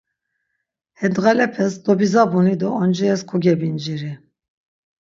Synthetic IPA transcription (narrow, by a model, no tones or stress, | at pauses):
hɛd̪ɣalɛpʰɛsd̪ɔbizabunid̪ɔɔnd͡ʒɛɛskʰɔɡɛbind͡ʒiɾi